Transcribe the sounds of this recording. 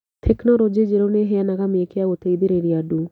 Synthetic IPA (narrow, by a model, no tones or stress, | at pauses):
t̪ʰeknɔɾod͡ʒed͡ʒeɾoneɦeanaɣameekeaɣot̪eiðeɾeɾiadu